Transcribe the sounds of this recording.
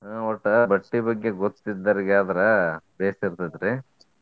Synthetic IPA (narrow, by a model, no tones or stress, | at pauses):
ɔʈːɐbɐʈːibɐɡːeɡot̪ːid̪ːɐɾɡaːd̪ɐɾɐbeːsiɾt̪ɐd̪ɐɾe